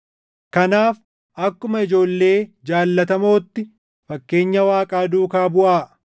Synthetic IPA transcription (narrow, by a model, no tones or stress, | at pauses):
kɐnaːf | ʔɐkːʊmɐɪd͡ʒo̞ːlːe̞ːd͡ʒaːlːɐt̪ɐmo̞ːt̪ːɪ | fɐkːe̞ːɲːɐwaːkʼaːd̪uːkaːbʊʔaː